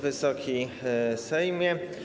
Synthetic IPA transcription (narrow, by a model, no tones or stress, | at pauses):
vɘsɔkʲijsɛjmʲjɛ